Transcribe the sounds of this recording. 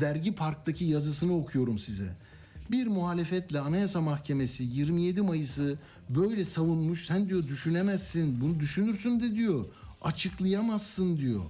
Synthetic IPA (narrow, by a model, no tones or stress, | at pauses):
d̪æɾɟipʰaɾk̚t̪ʰacʰijazɯsɯnɯo̞kʰujo̞ɾumsizɛ̰ | biɾmuɦaːlʲefɛt̪lʲɛanajasamaxcʰe̞me̞sijiɾmije̞d̪imajɯsɯ | bø̞jlʲɛsavunmuʃsænd̪ijo̞d̪yʃynemæzːinbunud̪yʃynyɾsynd̪ɛd̪ijo̞at͡ʃʰɯklˠɯjamazːɯnd̪ijo̞̰